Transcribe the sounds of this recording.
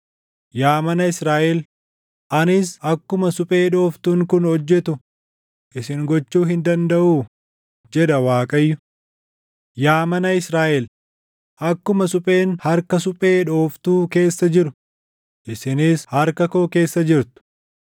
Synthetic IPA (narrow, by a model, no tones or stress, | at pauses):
jaːmɐnɐɪsɾaːʔɛl | ʔɐnɪsɐkːʊmɐsʊpʼe̞ːᶑo̞ːft̪uŋkʊnhɔd͡ʒːɛt̪ʊ | ʔɪsɪŋɡɔt͡ʃːuːɦɪnd̪ɐnd̪ɐʔuː | d͡ʒɛd̪ɐwaːkʼɐjːʊ | jaːmɐnɐɪsɾaːʔɛl | ʔɐkːʊmɐsʊpʼe̞ːnhɐɾkɐsʊpʼe̞ːᶑo̞ːft̪uːke̞ːsːɐd͡ʒɪɾʊ | ʔɪsɪnishɐɾkɐkoːke̞ːsːɐd͡ʒɪɾt̪ʊ̥